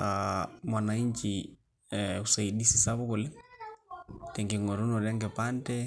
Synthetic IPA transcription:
amwa˨na˨i˦ɲt͡ʃi | u˨sa˨i˨di˦si̥˨sa˦βʊ˦ku˨lɛ˦ | tɛ˨ŋɡe˨ŋo˨ɾu˦no˨ɾɛ˦ŋɡe˨pa˦ntɛ˦

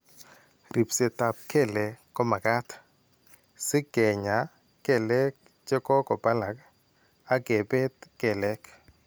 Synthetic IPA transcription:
ɾi˨pse˨ta˨p̚ke˦˨le˨kɔ˦ma˨ɡa˦t | sɪ˦ɡe˨ɲa˨ | ke˨lɛ˦k | t͡ʃe˦kɔ˦kɔ˨ba˦la˨k | a˦ɡe˨be˦tkɛ˨lɛ˦k

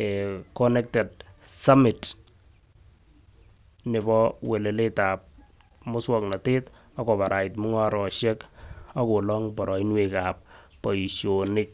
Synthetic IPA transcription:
ekɔ˦nɛ˦k̚tɛ˨d̚ | sa˦mi˨t | nɪ˨bɔ˦we˨le˨le˦ta˨p̚ | mʊ˦swɔ˦kna˨tɪ˦t | a˦kɔ˨ba˨ɾa˨i˨tmu˦ŋa˦ɾɔ˨ʃɛ˦ka˦ko˨lɔ˦ŋbɔ˨ɾɔ˨i˦nwekap̚ː | ɔ˨iʃjonɪ˦k̚

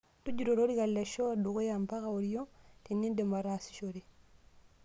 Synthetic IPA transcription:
du˦d͡ʒi˨ɾo˨ɾo˦ɾi˦ka˨lːe˨ʃo˦a˦du˨ko˦ja˨mpa˦ka˨o˨ɾi˦jo˦ti˨nːi˦nde˨mba˨ɾa˨si̥˨ʃoɾi˨

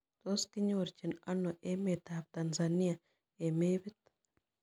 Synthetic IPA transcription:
t̪o˦ski˦ɲo˦ɾt͡ʃi˨na˦no˨ʔe˦me˨t̪ab̚t̪anzani˦a | e˨me˦be˦t̪

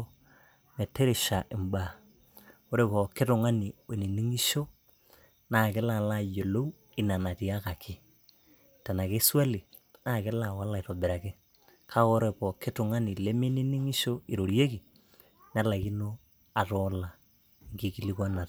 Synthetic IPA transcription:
me˨te˦ɾe˨ʃa˨ʔɪ˨mba˨ | o˦ɾe˨pɔ˨kɪ˦tʊ˨ŋa˦ni˨e˨ni˨ni˦ŋi˦ʃo˦ | na˦˨kɪ˦la˨la˦˨jo˨lo˦w | i˨na˨na˨ti˨a˦ka˨kʰɪ˦ | ta˨na˨ke˦swa˦li˨ | na˦˨kɪ˦la˨wa˦la˨i˨tɔ˨bɪ˨ɾa˨kɪ˦ | kʰa˦ko˦ɾe˨pɔ˨kɪ˦tʊ˨ŋa˦ni˨le˦me˦ni˦ni˦ŋi˦ʃo˦i˨ɾo˨ɾje˦ki˨ | n˦a˦la˨ki˦no˦ | a˨tɔ˦la˨ | ŋki˦ki˦li˦ka˦na˨t

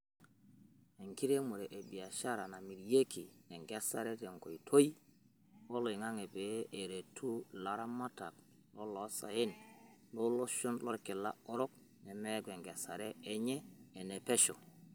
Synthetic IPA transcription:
e˨ŋki˦ɾe˦mu˨ɾe˨ʔe˨bi˨a˨ʃa˦ɾa˨na˨mi˨ɾje˦kʰi˨ne˨ŋɡe˦sa˨ɾe˦te˨ŋko˨i˨tʰo˦i˦ | wo˦lo˨i˨ŋa˦ŋe˨pe˨˦ʔe˨ɾe˨tʰu˦la˨ɾa˦ma˦ta̰˨k | lo˦lo˨˦sa̰˨ji˦nlo˦lo˦ʃu˦nlo˦ɾki˨la̰˦o˦ɾo˦k̚ | ne˨me˦ɡwe˨ŋɡe˨sa˨ɾeː˦ɲeː˦˨ne˨pe˦ʃo˨

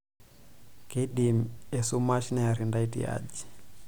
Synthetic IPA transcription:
ke˦ɗi˨mɛ˨su˦ma˦ʃi˦na˨ja˨ɾinda˦i˦tḭ˦a̰d͡ʒi̥˨

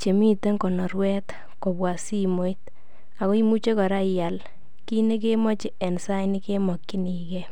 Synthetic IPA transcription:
t͡ʃe˨mi˦te˦ŋkɔ˨nɔ˨ɾwɛ˦t̪ | ko˨bwa˨si˦mo˨it | a˨ko˦i˦mu˦t͡ʃe˦kɔ˨ɾa˦ja˨l | ki˦ne˦k̬e˦mɔ˦t͡ʃɪ˨ɛ˨nsa˦jni˦ke˦mɔ˨kːi˦ni˨kɛ˦

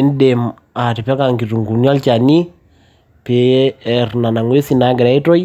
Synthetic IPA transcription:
ndɛm | a˨ti˨pɛ˦ka˨ŋɡi˨tu˨ŋɡu˨njɔ˦lt͡ʃa˨ni˦ | pe˨ɛrna˨na˨ŋwe˦si˦na˨ŋɡɛ˨ɾa˦i˦tɔ˦j

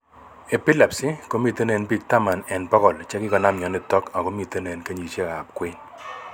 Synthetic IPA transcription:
e˨pɪ˦la˨psɪ˦ko˦mi˦˨te˦ne˨nbi˦k̚ta˦ma˨nɛ˨npɔ˦kɔ˨lt͡ʃɛ˦kɪ˦kɔ˨na˦mɲɔ˨nɪ˦tɔ˦ka˨kɔ˦mi˨te˦ne˨nka˦ɲi˨t͡ʃe˦˨ka˨p̚kwe˦ɲ

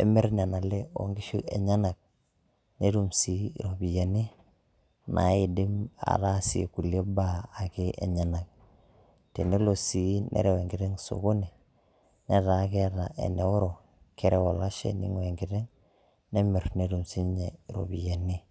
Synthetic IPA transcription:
ḛ˨me˦ɾn˨a˨na˨le˦o̰˨ŋɡi˦ʃu˦ʔe˨ɲa˦na˨k̚ | ne˦ɾu˦msi˦˨ɾo˨bi˨ja˨ni˦ | na̰˨i˨di˦ma̰˨ta˦sḭ˨ku˨ljo˦baː˦˨ke˦ʔḛ˨ɲa˨na˨k̚ | te˨ne˦lo˨si˨nʔḛ˦ɾe˦we˨ŋɡi˨ɾe˦ŋso̰˨ko˦ne˨ | ne˦ta˨˦ke˦a˦ta˨ʔḛ˨ne˨wo˦ɾo˨ | ke˦ɾe˦wo˨la˦ʃḛ˦nḭ˦ŋ˦e˨ŋɡi˨te˦ŋ | ne˦me˨ɾne˨du˨msi˦ɲe˨ɾo̰˨bi˨ja˨ni˦

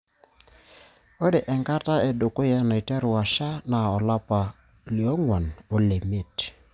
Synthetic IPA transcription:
o˦de˨ʔɛ˨ŋka˦ta˦e˨do˨ko˦ja˦na˨i˨tɛ˦ɾʊ˨a˨ʃa˦na˨ɔ˨la˦pa˨ | li˨ɔ˦ŋwɔ˨no˨le˨me˦˨t

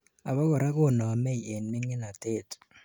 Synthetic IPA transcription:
a˨bɔ˦kɔ˨ɾa˦kʊ˦˨nɔ˨mɛ˦i˨ʔe˨nmɪ˦ŋɪ˦na˨te˦t

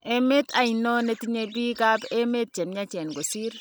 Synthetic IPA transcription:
e˦me˦tʰa˨i˨nɔ˦ne˦ti˦ɲe˦bi˦ka˦be˦me˦t̚t͡ʃɛ˨mɲa˦t͡ʃɛ˨nɡo˨si˦ɾ

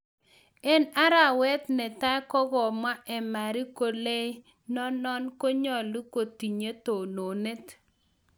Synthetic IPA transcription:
ɛ˦na˦ɾa˨wɛ˦t̪nɛ˨ta˦kɔ˦ɡɔ˨mwa˦ʔɛ˨ma˨ɾi˦ko˨le˦ | nɔ˦nɔ˦nko˦ɲɔ˨li˦ko˨ti˨ɲe˦to˨no˨ne˦t

